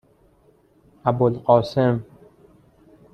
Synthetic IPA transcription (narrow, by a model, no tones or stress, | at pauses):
ʔæbolqɒːsem